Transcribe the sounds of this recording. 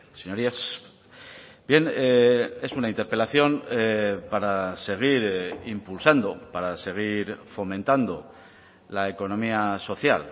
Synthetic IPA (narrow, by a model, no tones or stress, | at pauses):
seɲo̞ɾias | bje̞nee̞sunaint̪e̞ɾpe̞laθjo̞nepaɾase̞ɣ̞iɾimpulsand̪o̞paɾase̞ɣ̞iɾfo̞mẽ̞nt̪and̪o̞ | lae̞ko̞nõ̞miaso̞θja̰l